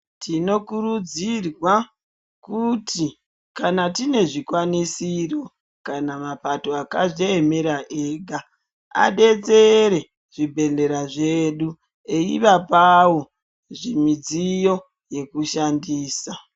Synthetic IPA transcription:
tʰino̞kurud͡zirwa | kuti | kanatine̞ʐikwanisiro̞ | kanamapato̞akaʐeːme̞ɾaʔeːɡʱa | a̰ɗe̞t͡se̞ɾe̞ | ʐ̥ibʱe̞ɮe̞ɾaʐe̞ɗu | eiʋapawo̞ | ʐimid͡zijo̞ | je̞kuʃandiːsa

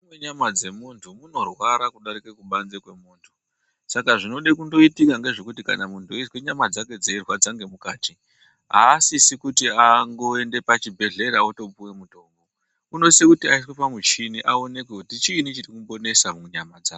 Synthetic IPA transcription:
weɲamad͡ze̞montʰumuno̞rwaɾakuɗaɾike̞kuɓanzekwe̞moːntʰu̥ | sakaʐino̞ɗekundo̞itikaŋɡe̞ʐe̞kutika̰namuntʰuisweɲamad͡zake̞d͡zeirwad͡zaŋɡe̞mukaːti | ɦaːsisikutiaŋɡo̞e̞nde̞pat͡ʃibʱe̞ɮe̞ɾaoto̞puwemuto̞ːmbo̞ | uno̞sekutiais̬wepamut͡ʃiniʔao̞ne̞k̬wekutit͡ʃiːnit͡ʃirikumbo̞ne̞samumweɲamad͡za

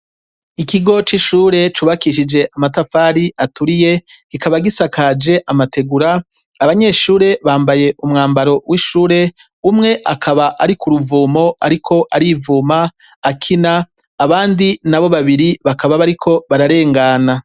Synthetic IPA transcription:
ikiɡo̞t͡ʃiʃuːɾe̞t͡ʃuβakiʃid͡ʒe̞ʔamatafaːɾiʔatuɾije̞ | kikaβaɡisakʰad͡ʒe̞ʔamate̞ɡuɾaː | βaɲe̞ːʃuːɾe̞βaːmbaje̞ʔumŋaːmbaɾo̞wiʃuːɾe̞ | umŋe̞ʔakʰaβaʔaɾikuɾuvuːmo̞a̰ɾikʰo̞ʔaɾivuːmaː | kʰinaː | βaːndinaβo̞βaβiɾiβakaβaβaɾikʰo̞βaɾaɾe̞ːŋɡana

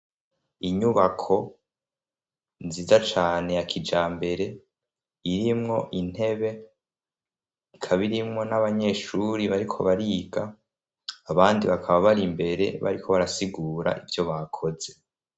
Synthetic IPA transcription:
iɲuβakʰo̞ | nziːzat͡ʃaːne̞jakʰid͡ʒaːmbe̞ɾe̞ | iɾimŋo̞ʔin̥e̞βe̞ | ikʰaβiɾimŋo̞naβaɲe̞ːʃuɾiβaɾikʰo̞βaɾiːɡaː | βaːndiβakʰaβaβaɾimbe̞ɾe̞̰βa̰ɾikʰo̞βaɾasiɡuːɾa̰ʔivjo̞βakʰo̞ze̞

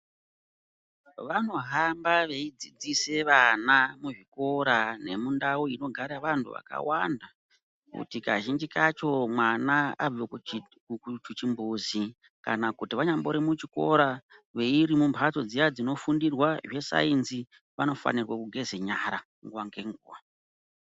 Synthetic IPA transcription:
ʋano̞ɦambaʋe̞id͡zid͡zise̞ʋanamuʐiko̞ɾane̞̰mundauino̞ɡʱaɾaʋantʰṵʋa̰ka̰wanda | kṵtikaʒind͡ʒikat͡ʃo̞mwanaavo | t͡ʃut͡ʃimbuzi | ka̰nakutiʋaɲamboɾimut͡ʃiko̞ɾaʋe̞iɾimumpʰato̞d͡zijad͡zino̞fundirwaʐe̞sa̰inzi | ʋano̞fa̰nirwakuɡʱe̞zeɲaɾa | ŋɡwaŋɡe̞ŋɡṵːwa

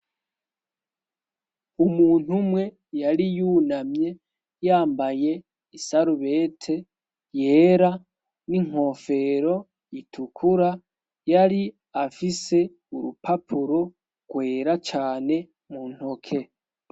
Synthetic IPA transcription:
umuːn̥humwe̞ | jaɾijuːnamɲe̞ | jaːmbaje̞ | isaɾuβe̞ːtʰe̞ | je̞ːɾa | niŋ̥o̞ːfe̞ɾo̞ | itʰukʰuɾa | jaɾi | afise̞ | uɾṵpapʰuɾo | ɡ̥we̞ːɾat͡ʃaːne̞ | muːn̥hokʰe̞

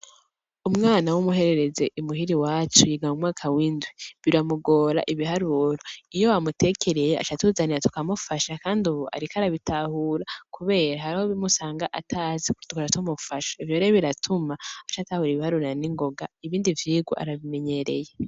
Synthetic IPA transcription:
umŋaːnawumuɦe̞ɾe̞ɾe̞ze̞ʔumuɦiɾiwaːt͡ʃujiɡamumŋaːkʰawiːndwiβiɾamuɡo̞ːɾa̰ʔiβiɦaɾuɾoijo̞wamutʰe̞ːkʰe̞ɾejea̰t͡ʃatuːzaniɾatu̥kamufaʃakaːnduβoa̰ɾikaɾaβitahuɾakuβe̞ːɾaɦaɾihoβimusaːŋɡaʔatʰaziktukoɾatumufaʃḁivjoːɾeβiɾatʰumaat͡ʃatahuɾiβihaɾuɾaniŋɡo̞ɡaiβiːndivjiːɡwa̰ʔa̰ɾaβime̞ɲe̞ɾe̞̰je

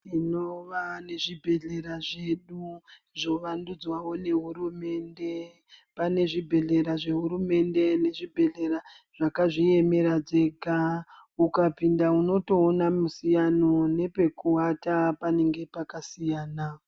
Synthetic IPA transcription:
ino̞ʋane̞ʐibʱe̞ɮe̞ɾaʐe̞ɗu | ʐo̞ʋandud͡zwawo̞ne̞ɦuɾume̞ːnde̞ | pane̞ʐibʱe̞ɮe̞ɾaʐe̞ɦuɾume̞nde̞ne̞ʐibʱe̞ɮe̞ɾa | ʐ̥akaʐije̞me̞ɾad͡ze̞ɡʱaukapindauno̞to̞ːnamusijano̞ne̞pe̞kuwatapane̞ŋɡe̞pakasijaːna

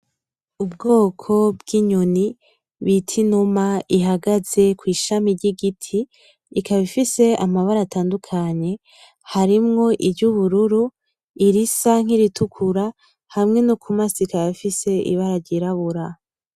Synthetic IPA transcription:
ubɡo̞ːkʰo̞bɡiɲoni | βitʰinumaʔiɦaɡaz̥e̞kwiːʃamiɾɟiɡitʰiː | kaβifise̞amaβaɾataːndukʰaɲe̞ | haɾimŋo̞ʔibɟuβuɾuɾu | iɾisaŋ̥iɾitukʰuɾa | hamŋe̞nukʰumasikaββifise̞ḭβaɾaɾɟiɾaβuɾa

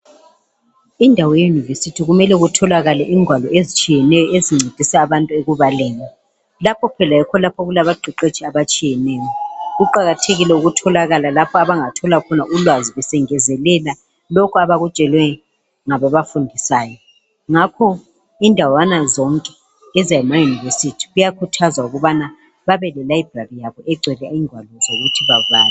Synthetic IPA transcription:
indʱawɔjejunivesitʰiɣumɛlɛɣutʰɔlaɣalɛʔiːŋʱwalɔezit͡ʃʼijɛnɛjɔeziŋ͡ǀʱed̥ʱisaːβantʼueɣuβalɛːlɛ | lapʰɔpʰɛlajɛkʰɔlapʰɔɣulaβaɡ͡ǃʱiǃet͡ʃʼiaβat͡ʃʼijɛnɛːjɔɣuǃaɣatʰeɣilɛuɣutʰɔlaɣalalapʰɔaβaŋatʰɔlakʰɔnaʔulwaziβɛsɛŋɛzɛlɛla | lɔkʰɔaβaɣut͡ʃʼɛlwɛ | ŋaβɔβafundʱisaːjɔ | ŋakʰɔ | indʱawanazɔŋkʼɛ̥ | ɛzajɛmajuniversitʰi̥ɣujakʰutʰazauɣɔβana | βaβɛlɛlaib̥ʱrarijaβɔʔɛɡ͡ǀʱwɛlɛiŋʱwalɔzoɣutʰiβavaːlɛ

